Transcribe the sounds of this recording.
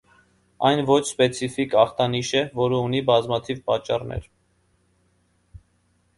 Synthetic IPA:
ɑjnvɔt͡ʃʰspɛt͡sʰifikɑχt̪ɑniʃɛvɔɾəunibɑzmɑt̪ʰivpɑt͡ʃːɑrnɛ̰ɾ

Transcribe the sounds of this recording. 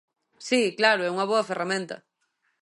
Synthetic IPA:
siklaɾʊɛuŋɐβoɐferamẽnt̪ɐ̰

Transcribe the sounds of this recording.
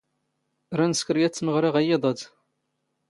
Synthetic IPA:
ɾˤænəskəɾjæt͡sːməʁɾɪʁæjeðˤəd̪

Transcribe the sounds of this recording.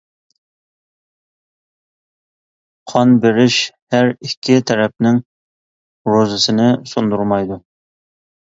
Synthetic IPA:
qʰɑnbeɾɪʃhæɾikʲʰːɪt̪ʰɛɾɛp̚nɪŋ | ɾozɨsɨnɪsond̪uɾmɑjd̪u

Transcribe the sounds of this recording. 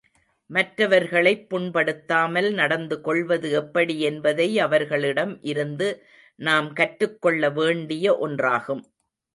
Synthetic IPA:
mɐʈɾɐʋɐɾɣɐɭɐɪpːʊɳpɐɽɯt̪ːaːmɐlnɐɽɐnd̪ɯkɔɭʋɐðɯɛpːɐɽiɛnbɐðɐɪɐʋɐɾɣɐɭɪɽɐmʔɪɾɯnd̪ɯ | naːmkɐʈɾɯkːɔɭːɐʋeːɳɖɪjɐʔɔndraːɣɯm

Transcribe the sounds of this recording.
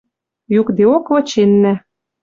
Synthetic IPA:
jukd̪eokʋɤ̆t͡ɕenːæ

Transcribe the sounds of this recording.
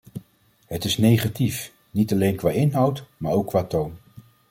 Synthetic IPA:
ɦətɪsnejχatif | nitalejnkʋaːɪnɦʌwtmaːɹowkːʋaːtown

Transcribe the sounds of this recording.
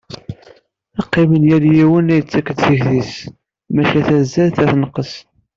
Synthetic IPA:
ɑqːɪmənjæljiwənæjət͡sːækːəd̪θəçθis | mæʃæθæzːælθæθnəqːəs

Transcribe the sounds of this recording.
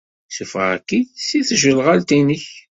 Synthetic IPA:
sufʁæ̰kːisiθʒəlʁalt̪inəç

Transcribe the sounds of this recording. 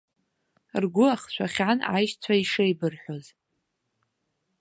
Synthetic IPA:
rɡʷʊaχt͡ʃʷʰaχʲanajʃt͡sʷʰaiʂejbɨrħʷᶣoz

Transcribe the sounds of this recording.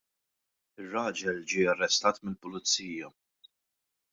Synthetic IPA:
ɪrːɐːd͡ʒɛld͡ʒiːɐrːɛst̪ɐːt̪mɪlpʊlɪt͡sːiːjɐ

